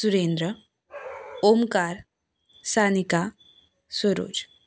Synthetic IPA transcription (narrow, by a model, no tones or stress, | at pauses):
suɾend̪ɾə | omkaɾ | sanika | səɾo̰ːd͡ʒ